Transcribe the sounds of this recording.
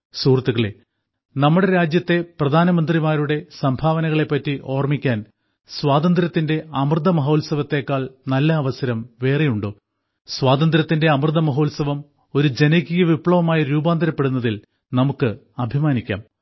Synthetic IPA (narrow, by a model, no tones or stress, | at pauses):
suːrt̪ːuɣɐɭe | nɐmːuɽe̞ɾaːd͡ʑjɐt̪ːe̞prɐd̪ʱaːnɐmɐnd̪rimaːɾuɽe̞sɐmbʱaːʋɐnɐɣɐɭe̞pːɐtːiʔo̞ːrmikʲːaːn | swaːd̪ɐnd̪ɾɐt̪ːinde̞ɐmrd̪ʱɐmɐɦo̞ːlsɐʋɐt̪ːe̞ːkːaːɭnɐlːɐːʋɐsɐɾɐmʋe̞ːrijuɳɖoː | swaːd̪ɐnd̪ɾɐt̪ːinde̞ɐmrɨd̪ʱɐmɐɦo̞ːlsɐʋɐm | o̞ɾud͡ʑe̞nɐkːijɐʋipːɭɐʋɐmaːjɐɾuːbaːnd̪ɐɾɐpːe̞ɽunːɐðil | nɐmukːɨ | ɐbʱimaːnikʲːa̰ːm